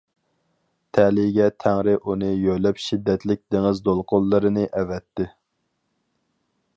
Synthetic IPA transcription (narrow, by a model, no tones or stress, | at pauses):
t̪ʰɛlɪɡʲɛt̪ʰæŋɾɪʔunɨjøjlɛpʃid̪ːɛt̪lɪk̚ʲd̪̥eŋɪzd̪olˠqʰolˠːɨɾɨnɨʔɛvɛt̪ːɪ